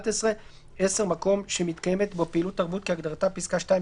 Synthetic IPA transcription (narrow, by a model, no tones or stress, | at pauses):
t̪esʁe̞ | ese̞ʁmako̞mʃemit̪kajeme̞t̪bopeilut̪ːaʁbut̪̚keaɡd̪aʁat̪apiskaʃtai